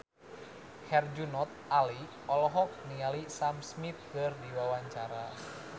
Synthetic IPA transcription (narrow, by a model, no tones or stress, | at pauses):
hɛrd͡ʒunɔt̪̚ali | ɔlɔɦɔk̚nialisamsmit̪̚kɨrdiwawaɲt͡ʃaɾa